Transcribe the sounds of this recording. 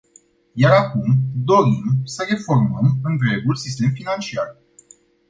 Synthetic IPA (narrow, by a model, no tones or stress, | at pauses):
jaɾakumd̪o̞ɾimsəɾe̞fo̞rməmɨnd̪ɾe̞ɡulsist̪e̞mfinant͡ʃiar